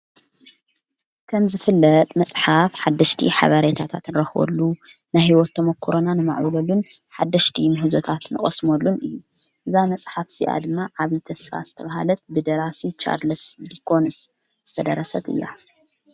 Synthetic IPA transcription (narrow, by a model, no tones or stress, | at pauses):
kʰɐmzɨfɨlːɐt̪ʼmɐsʼħafħad̪ːɐʃt̪ʰḭħa̰βɐɾet̪ʰat̪ʰat̪nɨɾɐxwo̰lːu | najhiwɔt̪ːɐmɐkʰːoɾonanɨma̰ʕwɐlɐlːunħad̪ːɐʃt̪ʰimɨɦɨzot̪ʰat̪nɨχʼɐsmolːunɨjːuʔɨzamɐsʼħafsiʔa̰d̪ɨmːaʕaβit̪ʰɐsfa̰zɨt̪ʰɐβaha̰lɐt̪̚bɨd̪ɐɾasit͡ʃʰa̰ɾlɨsd̪ikʰons | z̥ɨt̪ʰɐd̪ɐɾɐsɐt̪ɨ̰lːa̰